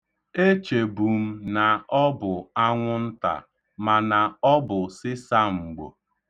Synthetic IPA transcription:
e˦t͡ʃe˨bu˨m̩˦na˨ɔ˦bʊ˨a˦ŋʷʊ˦n̩˦ta̰˨ | ma˨na˨ɔ˦bʊ˨sɪ˦sa˦ŋ͡m̩˨ɡ͡bo̰˨

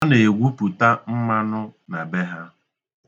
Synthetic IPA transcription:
a˦ne˨ɡʷu˦pu˨ta˦m̩˦ma˦nʊ˦na˨be˦ɦa˦

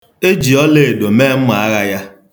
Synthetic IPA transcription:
e˦d͡ʒi˨ɔ˦le˦e˨do˨meː˦m̩˦ma˨a˦ɣa˦ja˦

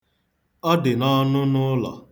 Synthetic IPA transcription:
ɔ˦dɪ˨nɔ˦nʊ˦nʊ˦lɔ̰˨

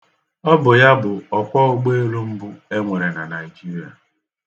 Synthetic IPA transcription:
ɔ˦bʊ˨ja˦bʊ˨ɔ˨kʷɔ˦ɡ͡be˦e˦ɾu˦m̩˦bu˦e˦ŋʷe˨ɾe˨na˨na˨ɪ˨d͡ʒi˦ɾi˨a̰˨

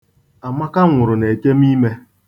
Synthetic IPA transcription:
a˨ma˦ka˦ŋʷʊ˨ɾʊ˨ne˨te˦m˦i˦me˦

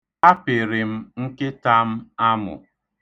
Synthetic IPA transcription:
a˦pɪ˨ɾɪ˨m̩˦ŋ̩˦kɪ˦ta˦m̩˦a˦mʊ̰˨

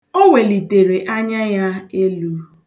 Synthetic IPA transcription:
o˦ŋʷe˨li˨te˨ɾe˨ʔa˦ɲa˦ja˦e˦lu˦

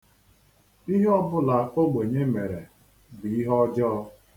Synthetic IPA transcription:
i˦ɦe˦ɔ˦bʊ˦la˨a˨ko˦ɡ͡be˨ɲe˦me˨ɾe˨ | bi˨i˦ɦɔ˦d͡ʒɔ˦

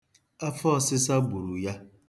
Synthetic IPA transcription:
a˦fɔ˦˨sɪ˦sa˦ɡ͡bu˨ɾu˨ja˦

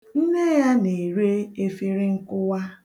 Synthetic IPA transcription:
n̩˦ne˦ja˦ne˨ɾe˦e˦fi˦ɾɪ˦ŋ̩˦kʊ˦wa˦

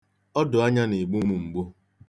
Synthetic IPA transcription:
ɔ˦dʊ˨a˦ɲa˦ne˨ɡ͡bu˦mu˨ŋ͡m̩˨ɡ͡bu˦

